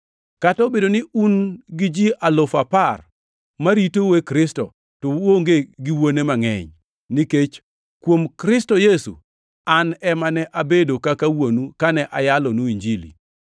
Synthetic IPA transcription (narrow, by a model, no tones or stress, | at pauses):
katɔbedonɪunɡɪd͡ʒiʔalofapar | maɾitowekɾɪstɔ̰ | tɔwoŋɡeɡɪwonemaŋɛ̰ɲ | niket͡ʃ | kwomkɾɪstɔjesṵ | anɛmanɛʔabedokakawonukanɛʔajalɔnuiɲd͡ʒilḭ